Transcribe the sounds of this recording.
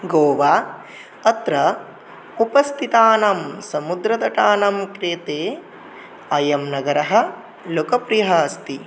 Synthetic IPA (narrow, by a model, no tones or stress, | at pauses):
ɡoːʋaː | ɐt̪ɾɐ | upɐst̪ʰit̪aːnɐmsɐmud̪ɾɐt̪ɐʈaːnɐmkɾeːt̪eː | ɐjɐmnɐɡɐɾɐɦɐ̆ | loːkɐpɾijɦɐst̪i